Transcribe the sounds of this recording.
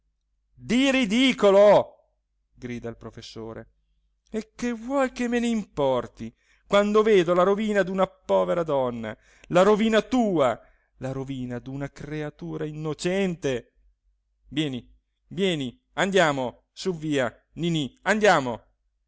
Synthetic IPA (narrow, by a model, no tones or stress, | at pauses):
d̪irid̪iːkolo | ɡɾiːd̪ailpɾofesːoːɾḛ | ekːevwɔjkemːeneimpɔrt̪i | kwand̪oveːd̪olaɾoviːnad̪unapɔːveɾad̪ɔnːa̰ | laɾoviːnat̪uːa | laɾoviːnad̪unakreat̪uːɾainːot͡ʃɛnt̪e | vjɛːni | vjɛːni | and̪jaːmo | suvːiːa | niniand̪jaːmo